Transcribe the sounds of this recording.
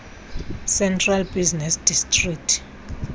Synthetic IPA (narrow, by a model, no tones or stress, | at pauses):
sɛntʰʼralbiznɛsdistʼrik̚tʰ